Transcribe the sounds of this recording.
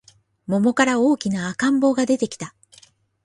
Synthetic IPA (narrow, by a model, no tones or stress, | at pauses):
mo̞mo̞kaɾao̞ːkʲinaːkãmbo̞ːɡad̪e̞t̪e̞kʲi̥t̪a